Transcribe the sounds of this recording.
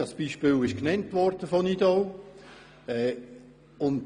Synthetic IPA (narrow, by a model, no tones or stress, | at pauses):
ɑsb̥iːʃpɪːlɪʃknɛntʋɔrd̥əfɔnidɔl | ɛː | ʊnd